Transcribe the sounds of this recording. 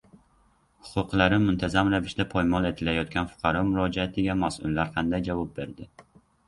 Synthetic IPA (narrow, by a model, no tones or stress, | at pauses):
hʊ̥qʰʊqlˠaɾɪmʊnt̪ʰazamɾavɪʃd̪apʰɒjmɒlˠe̞t̪ʰɪlajɒt̪̚kʲanfʊ̥qʰɑɾɒmʊɾɒd͡ʒaat̪ʰɪɡʲamasʊ̰lːaɾqʰɑnd̪ajd͡ʒavɒp̚be̞ɾd̪ɪ